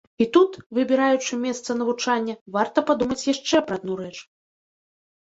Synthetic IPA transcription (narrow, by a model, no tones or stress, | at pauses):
it̪ut̪vɨbʲiɾajut͡ʂɨmʲɛst̪sɐnɐvut͡ʂanʲːɐvart̪ɐpad̪umɐt͡sʲjaʂt͡ʂɛpɾɐːd̪̚nuɾɛt͡ʂ